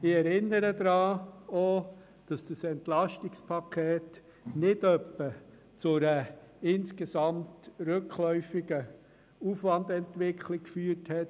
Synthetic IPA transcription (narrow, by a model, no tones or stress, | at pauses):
ɪɛɾɪnːəɾəd̪ɾɑːo | d̥ɑsd̥əsɛntlɑʃtɪkspʰɑkʰeːt | nɪdœpːə | t͡sʊɾəɪnskesɑmtɾøkʰlœʏfiɡə | ufʋɑndɛntʋɪkʰlɪkkfyːəthɛt